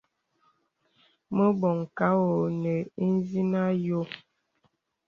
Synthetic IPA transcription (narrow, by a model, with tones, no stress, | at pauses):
mə˦bɔ˨ŋ˨ka˦wo˨nə˨i˦n˦zi˦na˦jo˦